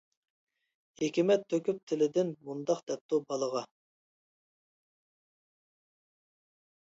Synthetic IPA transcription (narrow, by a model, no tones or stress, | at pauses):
hekʲimɛt̪ʰːøkʲyp̚t̪ʰɪlɪd̪ɪnmund̪ɑqd̪ɛp̚t̪ʰubɑlˠəʁɑ